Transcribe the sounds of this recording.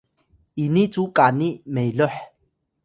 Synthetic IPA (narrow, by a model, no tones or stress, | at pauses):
init͡sukanimejloħ